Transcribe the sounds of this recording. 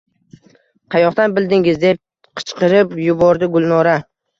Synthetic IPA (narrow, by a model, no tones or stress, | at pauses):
qʰɑjɒχt̪anbɪld̪ɪŋɪzd̪e̞p̚ | qʰɨ̥t͡ʃqɨɾɪpjʊbɒɾd̪ɪɡʊlˠnɒɾa